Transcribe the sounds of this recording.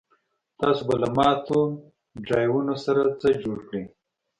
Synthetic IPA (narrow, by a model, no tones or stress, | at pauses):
t̪ɑsobalamɑt̪o | ɖɑjwunosaɾat͡səd͡ʒoɽkɽi